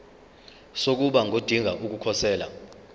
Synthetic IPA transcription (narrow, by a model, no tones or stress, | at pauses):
sok̬uɓaŋʱod̥ʱiŋʱaʔuk̬ukʰɔsɛːla̰